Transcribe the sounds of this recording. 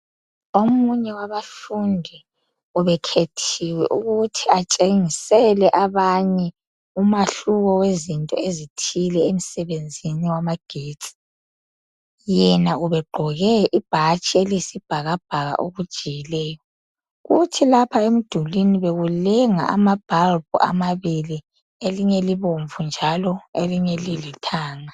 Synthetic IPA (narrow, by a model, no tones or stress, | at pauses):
omuɲɛwaβafundʱi | uβɛkʰetʰiwɛ̰ʔuɣutʰiat͡ʃʼeŋisɛlɛʔaβaɲɛ | umaɬuɣɔwezintʼɔ̰ezitʰilɛem̩sɛβend͡zʱiniwamaɡ̥ʱiːdt͡sʼi̥ | jɛnauβɛɡ͡ǃʱɔɣɛʔib̥ʱat͡ʃʼielisib̥ʱaɣab̥̚ʱaɣa̰ʔo̰ɣud̥ʒ̥ʱijilɛːjɔ | ɣutʰilapʰaemid̥ʱuliniβeɣulɛŋa̰a̰mab̥ʱalbṵʔa̰maβili | eliɲɛliβoɱvund͡ʒʱalɔeliɲɛlilitʰaːŋa